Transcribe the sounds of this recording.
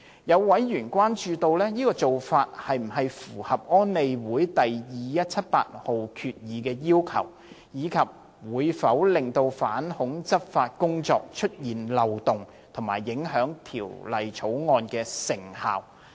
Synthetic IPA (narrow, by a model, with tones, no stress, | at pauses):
jɐ˨˧wːɐ˨˥jjyː˨˩nkʷaː˥nt͡ʃyː˧t̪o˧wlɛː˥jiː˥kɔː˧t͡so˨wfaː˧t̚hɐ˨jm̩˨˩ɦɐ˨jfuː˨˩hɐ˨p̚ɔː˥nːe˨˧jwuː˨˥jt̪ɐ˨jjiː˨jɐ˥t̚t͡sʰɐ˥t̚pa̰ː˧t̚ho˨wkʰyː˧t̚jiː˨˧kɛː˧jiː˥wkʰɐ̰˨˩w | jiː˨˧kʰɐ˨p̚ | wuː˨˧˥jfɐ˨˥wlɪ˨ŋt̪o˧wfa̰ː˨˥nhʊ˨˥ŋt͡sɐ˥p̚faː˧t̚kʊ˥ŋt͡sɔ̰ː˧k̚t͡ʃʰɵ˥t̚jiː˨nlɐ˨wt̪ʊ˨ŋ | t̪ʰʊ˨˩ŋmaː˨˩jːɪ˨˥ŋɦœː˨˥ŋt̪ʰḭː˨˩wlɐ˨jt͡ʃʰo˨˥wŋɔː˧nkɛː˧sɪ˨˩ŋha̰ː˨w